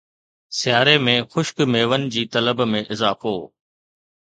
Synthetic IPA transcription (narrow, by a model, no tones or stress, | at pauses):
sɪjaːɾemẽxʊʃkmeːʋənɪ̆d͡ʑiːt̪ɐləbmẽʔɪzaːfoː